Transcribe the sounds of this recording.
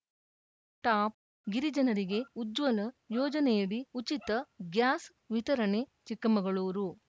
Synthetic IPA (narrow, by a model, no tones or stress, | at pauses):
ʈaːp̚ | ɡiɾid͡ʒɐnɐɾiɡe̞ud͡ʒʋɐlɐjɔːd͡ʒɐnɛjɐɽiut͡ʃit̪ɐɡjaːs | ʋit̪ɐɾɐɳe̞t͡ʃikːɐmɐɡɐɭuːɾu